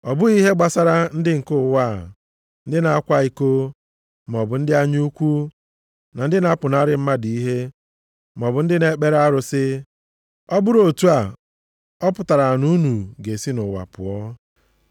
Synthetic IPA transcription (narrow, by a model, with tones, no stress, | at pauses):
ɔ˨bʊ˦i˦ɦe˦ɡ͡ba˨sa˦ɾa˨n̩˦dɪ˦ŋ̩˨kʊ˦˨wa˦˨ | n̩˦dɪ˦na˨a˦kʷa˦i˨ko˦ | m˨ɔ˨bʊ˨n̩˦dɪ˦a˦ɲ˦u˦kʷu˦ | na˨n̩˦dɪ˦na˨˦pʊ˨na˦ɾɪ˦m̩˦ma˦di˨i˦ɦe˦ | m˨ɔ˨bʊ˨n̩˦dɪ˦ne˨˦k͡pe˦ɾa˦ɾʊ˨sɪ˦ | ɔ˦bʊ˦ɾo˨tu˦a˨ | ɔ˦pʊ˨ta˨ɾa˨nu˦nu˨ɡe˨si˦nʊ˨wa̰˨pʊ̰˨ɔ˦